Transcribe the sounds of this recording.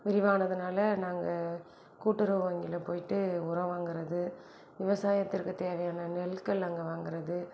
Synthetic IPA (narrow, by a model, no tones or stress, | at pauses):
ʋɪɾɪʋaːnɐðɯnaːlɐnaːŋɡɐ | kuːʈːɯɾɯʋɐŋɡɪlɐpoːjɪʈːɯʊɾɐʋaːŋɡɪɾɐðɯ | ʋɪʋɐsaːjɐt̪ːɪɾkɯt̪eːʋɐjaːnɐnɛlkɐɭɐŋɡɐʋaːŋɡɪɾɐðɯ